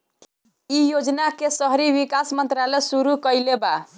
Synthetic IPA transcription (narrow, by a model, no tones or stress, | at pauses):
ijod͡ʒnakesəɦɾibikasmənt̪ɾalɛsuɾukəjleba